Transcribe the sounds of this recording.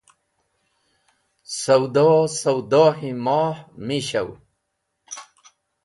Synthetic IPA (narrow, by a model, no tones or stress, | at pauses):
sɐwd̪ɑsɐwd̪ɑːhimɑːħmiɕɐw